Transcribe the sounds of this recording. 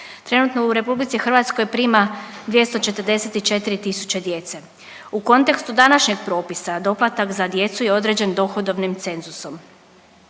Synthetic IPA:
t̪ɾe̞nut̪no̞uɾe̞publitsixr̩ʋat̪sko̞jpɾiːmad̪ʋjest̪o̞t͡ʃe̞t̪əɾ̩d̪e̞set̪it͡ʃe̞t̪iɾit̪isu̥t͡ɕed̪je̞t̪se̞ | uko̞nt̪e̞kst̪ud̪anaʃɲeɡ̚pɾo̞ːpisad̪o̞plˠat̪akzad̪je̞t̪sujeo̞d̪ɾe̞d͡ʑe̞nd̪o̞xod̪o̞ʋnimt̪se̞nzuso̞m

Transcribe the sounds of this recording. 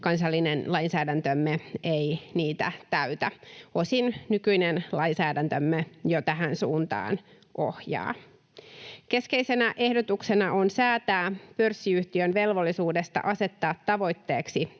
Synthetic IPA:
kɑnsɑlːinenlɑinsæːdænt̪ømːeeiniːt̪æt̪æyt̪æo̞sinnykyinenlɑjnsæːdænt̪ømːejot̪æɦænsuːnt̪ɑ̰ːn | ʔohjɑ̰ː | ke̞ske̞jsenæʔe̞hdo̞t̪ukse̞nɑo̞nsæːt̪æːpørsːiyht̪iønʋe̞lʋo̞lːisuːde̞st̪ɑ̰ʔɑse̞t̪ːɑːt̪ːɑʋo̞jt̪ːe̞ːksi

